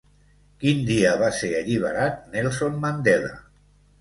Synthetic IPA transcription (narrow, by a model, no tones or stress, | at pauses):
kind̪iəβ̞aseɾəʎiβ̞əɾat̪̚nɛlˠsonmand̪ɛlə̰